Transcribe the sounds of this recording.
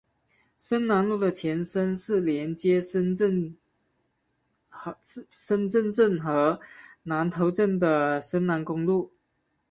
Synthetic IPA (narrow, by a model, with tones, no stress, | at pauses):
ʂə˥nna˧˥nlu˥˩d̪ə˩t͡ɕʰjɛ˧˥nʂə˥nʂɻ̩˥˩ljɛ˧˥nt͡ɕjɛ˥ | ʂə˥nʈ͡ʂə˥˧nʈ͡ʂə˥˩nxɤ˧˥na˧˥nt̪ʰo˧˥ʊʈ͡ʂə˥˩nd̪ə˩ʂə˥nna˧˥nkʊ˥ŋlu˥˩